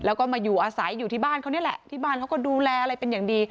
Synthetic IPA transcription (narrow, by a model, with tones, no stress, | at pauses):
lɛː˦˥wkɔː˥˩maː˧juː˨˩ʔaː˧sa˩˦jːuː˨˩t̪ʰiː˥˩baː˥˩nkʰa˥˩wni˦˥ə˨ʔlɛ˨˩ʔt̪ʰiː˥˩baː˥˩nka˦˥wkɔː˥˩duː˧lɛː˧ʔa˧ɾa˧jpe˧njaː˨˩ŋdiː˧